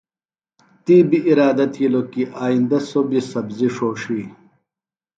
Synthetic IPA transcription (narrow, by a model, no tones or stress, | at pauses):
t̪iːbiʔːɾaːd̪ɐt̪ʰilokiʔaːind̪ɐsobisɐbziʂoːʂiː